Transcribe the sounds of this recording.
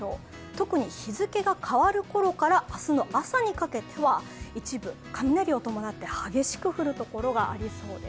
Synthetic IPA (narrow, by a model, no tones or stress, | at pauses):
oː | t̪o̞kɯ̟ɲ̟içizɨke̞ɡakʰaβaɾɯ̟ko̞ɾo̞kaɾaːsɨno̞ʔasaɲ̟ikake̞t̪ʰe̞βait͡ɕibɯ̟ | kʰamʲinaɾʲio̞t̪o̞mo̞nat̪ːe̞haɡe̞ɕi̥kɯ̟ɸɯ̟ɾɯ̟t̪o̞ko̞ɾo̞ɡaʔa̰ɾʲiso̞ːd̪e